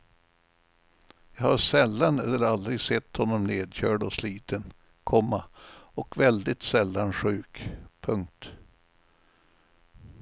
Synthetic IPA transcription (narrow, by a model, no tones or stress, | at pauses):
jɑːhaʂɛlːanɛlːəɾald̪ɾɪɡsɛt̪ːhɔnːɔmneːd̪ɕœːɖɔsliːt̪ən | kʰɔmːaɔkvɛld̪ɪt̪sɛlːanɧʉ̟ːkpʰɵŋk̚t̪